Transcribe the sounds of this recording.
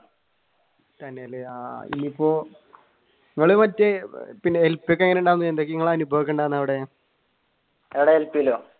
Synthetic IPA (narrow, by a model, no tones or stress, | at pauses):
t̪ɐnːeɐlːeaḭnːiipːoː | iŋːɐɭumɐtːepinːeelpːjokːeŋːɐneuɳɖaːwunːend̪okːiiŋːɐɭaːnubʱɐʋik̬ʲːeɳɖaːnːɐʋiɽe | eʋiɽeelpiiloː